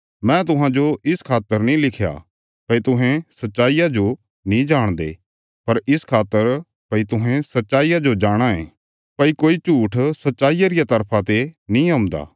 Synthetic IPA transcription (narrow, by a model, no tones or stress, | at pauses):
mɛ̃t̪̬ʊɦãd͡ʒoɪskʰaːt̪ːəɾnĩlɪkʰja̰ː | pɐit̪ʊɦẽsɐtːʃaːijad͡ʒo | nĩd͡ʒaːɽ̃d̪ḛː | pɐɾɪskʰaːt̪ːəɾ | pɐit̪ʊɦẽsɐtːʃaːijad͡ʒod͡ʒaːɽ̃aẽː | pɐikoːit͡ʃuːʈʰsɐtːʃaːijaɾɪjat̪ɐɾpʰat̪enĩɦɐ̃md̪a̰ː